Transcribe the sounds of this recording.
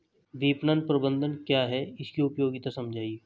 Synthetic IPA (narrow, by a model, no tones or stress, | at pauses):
ʋ̪iːpnənpɾɐbə̃nd̪ʱənkjaɦɛɪskiʊpjoːɡɪt̪asɐ̃md͡ʒʱaːieː